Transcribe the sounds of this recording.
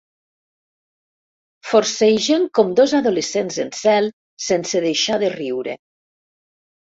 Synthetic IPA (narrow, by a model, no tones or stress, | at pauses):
foɾsejʒeŋkɔmd̪ozaðolesenzensɛlˠ | senseðejʃaðeriwɾḛ